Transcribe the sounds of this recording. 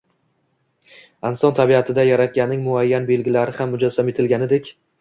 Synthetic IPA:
ansɒnt̪ʰabiat̪ʰɪd̪ajaɾat̪̚kʲanːɪŋmʊajːanbe̞lɡʲɪlaɾɪhamːʊd͡ʒazːame̞t̪ʰɪlɡʲanɪd̪e̞kʲ

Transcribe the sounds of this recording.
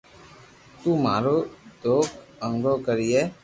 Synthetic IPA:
t̪uːmaːɾoːd̪oːkəŋɡoːkəɾiːeː

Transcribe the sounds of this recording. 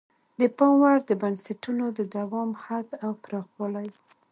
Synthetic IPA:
d̪əpɑmwaɾd̪əbansaʈunod̪əd̪awɑmhad̪awpɾɑɣwɑlaj

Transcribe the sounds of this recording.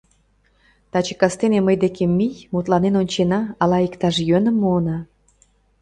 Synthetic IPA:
t̪ɑt͡ɕe̥kɑst̪eneməjd̪ekemʲːijmut̪lɑnenonʲt͡ɕenɑɑlɑikt̪ɑʃjønə̆mːoːnɑ

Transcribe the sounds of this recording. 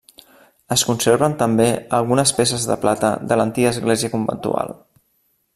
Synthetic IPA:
əskunseɾβənt̪əmbeəlˠɣunəspesəzðə̰plat̪ə̰ðələnt̪iɣəːzɣleziəkumbə̰nt̪ṵa̰lˠ

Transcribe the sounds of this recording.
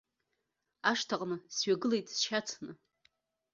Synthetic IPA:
aʂtʰaqʼnɨsɥaɡɨlejtʼsʃat͡sʰnɨ

